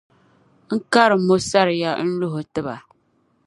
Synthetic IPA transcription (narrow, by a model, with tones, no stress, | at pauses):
ŋ̩˦ka˦ɾɨ˨mo˦sa˦ɾɨ˨ja˦n̩˦lo˦ɦo˨tɨ˦ba˨